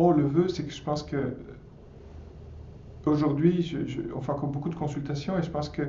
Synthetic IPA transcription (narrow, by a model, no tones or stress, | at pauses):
ɔ̃ləvøsɛkəʒəpɑ̃skə | oʒuʁd̪ɥiʒəʒə̰ɑ̰̃fɛ̃kɔmbokud̪əkɔ̃sylt̪asjɔ̃eʒəpɑ̃skə